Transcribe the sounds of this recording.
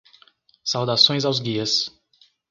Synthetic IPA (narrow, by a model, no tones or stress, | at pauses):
sawd̪asõj̃zawzɡiɐs